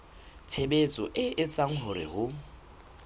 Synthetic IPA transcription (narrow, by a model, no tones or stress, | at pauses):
tʰebet͡sʼɔʔɪʔɪt͡sʼaŋ̩ɦʊɾɪ̰hʊ